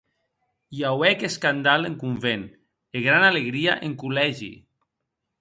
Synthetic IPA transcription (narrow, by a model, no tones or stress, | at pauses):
jawɛkeskand̪aleŋkuɱven | eɣɾanaleɣɾiaʔeŋkulɛʒḭ